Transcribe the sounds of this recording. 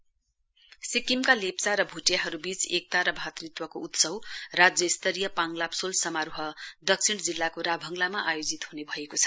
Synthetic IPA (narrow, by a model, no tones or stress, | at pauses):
sikimkalept͡saɾʌbʱuʈjaɦʌɾubit͡sek̚t̪aɾʌbʱat̪rit̪wʌkout̪sʌwrad͡zjʌist̪ʌɾijʌpaŋlapsolsʌmaɾuɦʌd̪ʌk̚sʰiɽ̃d͡zilːakoɾabʱʌŋlamaʔajod͡zit̪ɦunebʱʌekot͡sʰʌ̥